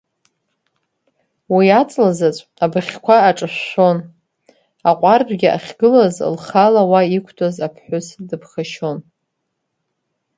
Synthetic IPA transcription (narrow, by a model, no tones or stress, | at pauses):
wiat͡sʼlazat͡sʷʼabɨχʲkʷʰaːʈ͡ʂʼɨʃːʷo̞n | aqʷʼarbʼɡʲiʔa̰χʲɡɨlaz̰lχalawaikʷʰtʰʼazapʰħʷʊsdɨbχaʃo̞n